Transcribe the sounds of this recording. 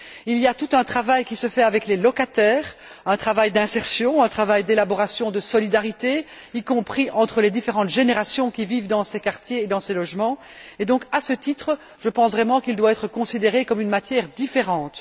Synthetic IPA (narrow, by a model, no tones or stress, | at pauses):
ilijat̪ut̪ɛ̃t̪χavajkʲisəfɛavɛklelɔkat̪ɛːʁɛ̃t̪χavajd̪ɛ̃sɛʁsjɔ̃ɛ̃t̪χavajd̪elabɔʁasjɔ̃d̪əsɔlid̪aʁit̪eikɔ̃pχiʔɑ̃t̪χəled̪ifeʁɑ̃t̪ʒeneʁasjɔ̃kʲiviːvd̪ɑ̃sɛkaʁt̪jeːd̪ɑ̃sɛlɔʒmɑ̃ | ed̪ɔ̃kasət̪it̪χə | ʒəpɑ̃svʁɛmɑ̃kild̪waɛt̪χəkɔ̃sid̪eʁekɔmynmat̪jɛːʁd̪ifeʁɑ̃ːt̪